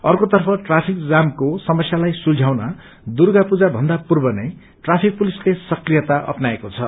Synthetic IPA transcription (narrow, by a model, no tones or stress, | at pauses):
ʌrkot̪ʌrpʰʌʈrapʰik̚d͡zamkosʌmʌsjalajsuld͡zʱawna | d̪urɡapud͡zabʱʌnd̪apurbʌnʌj | ʈrapʰik̚pulislesʌkrijʌt̪aʔʌ̰pnaekot͡sʰʌ